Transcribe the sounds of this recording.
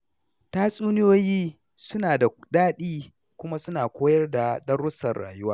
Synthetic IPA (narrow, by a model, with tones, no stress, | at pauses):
taː˦sʼuː˦nɪ˦joː˦jiː˦ | sʊ˦naː˨da˨daː˦ɗiː˦ | kʷʊ˦ma˦sʊ˦naː˨kʷoː˦jɐ˦rda˨dɐ˦rːʊ˦sɐ˨rɽa̰ː˨jʊ˦waː˦